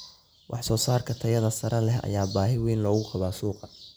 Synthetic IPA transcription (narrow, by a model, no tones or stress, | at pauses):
wʔɑ̰ħsɔːsaːrkʰɐt̪ʰɐjɐðɐsɐɾɐlɛɦɐ̰jaːbaːɦɪwiːnlɔːɣʊqɑβaːsuːqɑ